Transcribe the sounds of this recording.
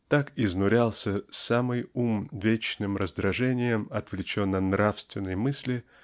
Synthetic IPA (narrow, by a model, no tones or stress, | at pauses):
t̪akɪznʊɾʲalˠsʲəsamɨjumvʲet͡ɕnɨmɾəzd̪ɾɐʐɛnʲɪjəmɐt̪vlʲɪt͡ɕo̞nːənɾafst̪vʲɪnːɨjmɨsʲlʲɪ